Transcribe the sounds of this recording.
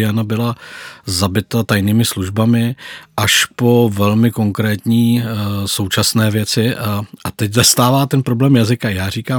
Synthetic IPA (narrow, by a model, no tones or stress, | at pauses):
janabɪlazabɪt̪at̪ajniːmɪsluʒbamɪʔaʃpo̞vɛlmɪko̞ŋkɾɛːt̪ɲiːso̞wt͡ʃasnɛːvjɛt͡sɪʔat̪ɛczast̪aːvaːt̪ɛnpɾoblɛːmjazɪkajaːɾiːkaː